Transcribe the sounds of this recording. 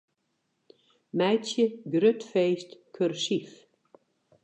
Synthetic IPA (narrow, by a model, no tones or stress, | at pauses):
mæjt̪t͡ɕɪɡɾʏt̪fejst̪kʰœɾsif